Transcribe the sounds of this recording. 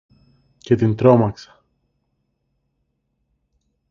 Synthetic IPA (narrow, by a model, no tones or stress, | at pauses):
ce̞t̪int̪ɾo̞mɐksɐ̥